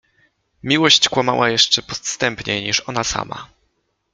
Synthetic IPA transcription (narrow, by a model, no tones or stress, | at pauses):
mʲiwɔɕt͡ɕkwama̰wajɛʂt͡ʂɛpɔt̪st̪ɛmpɲɛjɲiʂɔnasa̰ma̰